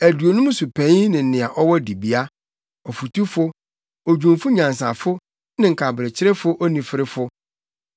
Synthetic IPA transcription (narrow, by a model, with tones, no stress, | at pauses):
æ˨du˨o˨nũ˦su˨pʰæ̃˨˦nɪ̃˨n̩˦˨nɪ̃˨a˨ʔɔ˦wɔ˦di˨bi˦a˦ | ɔ˨fu˨tu˦fʊ˦ | o˨d͡ʑᶣũ˨mfʊ˦ɲã˨ns̬a˨fʊ˦ | nɪ̃˨ŋ̩˨kʰa˨bɪ˨ɾɪ˨t͡ɕʰɪ˦ɾɛ˦fʊ˦ʔɔ˦nĩ˨fɪ˦ɾɪ˦fʊ˦